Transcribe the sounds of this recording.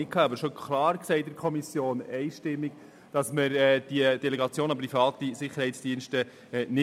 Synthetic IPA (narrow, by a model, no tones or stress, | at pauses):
ɪkʰɑːɑbəɾʃɔkʰlɑːɾksɛɪt̚dɪɾkʰɔmisjoːnɛɪʃtɪmːik | d̥ɑsməɾɛːd̥iəd̥ɛlɛɡɑt͡sjoːnɑprifɑːt̪isɪχəɾhɛɪtt͡ssd̥iənʃtə | nɪ